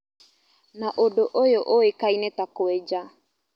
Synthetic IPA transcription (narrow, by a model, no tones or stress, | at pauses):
naʔodoʔojoʔoekainetakoed͡ʒa